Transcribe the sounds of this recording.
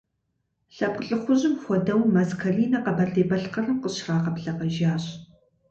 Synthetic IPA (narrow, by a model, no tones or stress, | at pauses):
ɬɐp̚qəɬʼɨχʷʊʑɪmxʷɔdɐwmɐzkʰɐriːnɐqɐbɐɮeːbɐɬqɐrɐmqəɕraːqɐpɬɐqɐʒaːɕ